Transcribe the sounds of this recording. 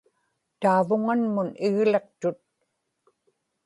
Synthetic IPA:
t̪aːvʊŋanmʊnɪɣle̞qt̪ʊt̪̚

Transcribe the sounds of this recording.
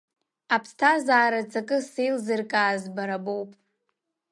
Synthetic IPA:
apʰstʰazaːɾat͡sʼakʼɨsejlzɨrkʼaːzbaɾabowpʼ

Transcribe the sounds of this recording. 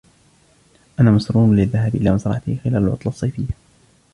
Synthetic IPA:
ʔanaːmʊsɾuːnlɪðːaɦaːbʔɪlaːmasɾˤɑ̰ʕat̪ɪhxɪlaːlalwʔɑt̪ˤlɑsˤːɑjfɪjːa

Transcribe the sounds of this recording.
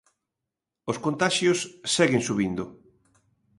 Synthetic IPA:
oskont̪aʃjosːɛɣeŋsuβind̪ʊ

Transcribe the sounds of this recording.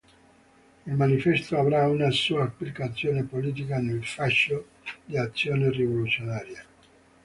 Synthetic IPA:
ilmanifɛst̪oavɾaunasuːaːpːlikat̪sːjoːnepoliːt̪̬ikanelfaʃːo | d̪iat̪sːjoːnerivolut̪sjonaːɾja

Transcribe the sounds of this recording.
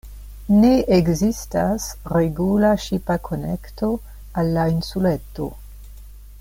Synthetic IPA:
neeɡzistasreɡulaʃipakʰonḛkto | alːainsuleto̰

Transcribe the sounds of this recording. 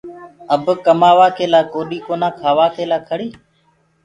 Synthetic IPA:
əbkəmaːʋaːkʰeːlaːkoːɗiːkoːnãːkʰaːʋaːkʰeːlaːkʰəɽiː

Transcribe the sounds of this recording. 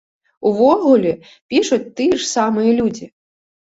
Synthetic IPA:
uvɔɣulʲɛ | pʲiʂut͡sʲt̪ɨjʂsamɨjɐlʲud͡zʲi

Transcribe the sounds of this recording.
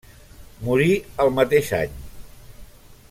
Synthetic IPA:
muɾiəlˠmət̪eʃa̰ɲ

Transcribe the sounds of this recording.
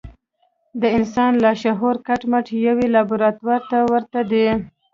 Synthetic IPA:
d̪əɪnsɑnlaʃaɦoɾkaʈmaʈjawelɑbʊɾɑt̪waɾt̪awəɾt̪ad̪e

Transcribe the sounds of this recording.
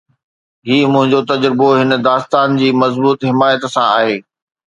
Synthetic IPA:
ɦiːmʊ̃ɦɪ̃ɲd͡ʑot̪ɐd͡ʑɾɪboɦɪnəd̪aːst̪aːnd͡ʑiːmɐzbuːt̪ɦɪmaːjət̪sãa̰ːɦeː

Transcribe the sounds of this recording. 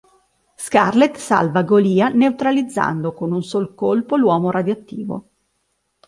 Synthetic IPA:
skarlet̪sa̰lvaɡoliːaneut̪ɾalid̪zːa̰nd̪okonunsoːlkolpolwɔːmoɾad̪joat̪ːiːvo̰

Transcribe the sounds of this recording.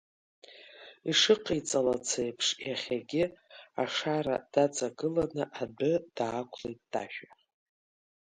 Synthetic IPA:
iʂɨqʼijt͡sʼalat͡sʰejpʰʂjaχʲaɡʲɪaʂaɾa̰d̥at͡sʼaɡɨlanɨʔabɨd̥aːkʷʰlejt̚ʼd̥a̰ʃᶣa

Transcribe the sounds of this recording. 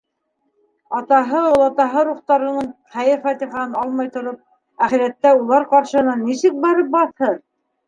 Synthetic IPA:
ɑt̪ɑɦɤolˠɑt̪ɑɦɤɾuχt̪ɑɾɤ̆nɤɴχæjɘɾfæt̪iχɑhɤnɑlˠmɑjt̪ŏɾop̚ | æχɘ̆ɾæt̪ːæulˠɑɾqɑɾʃɤ̆hɤ̆nɑnːisɘk̚bɑɾɤp̚bɑθhɤɾ

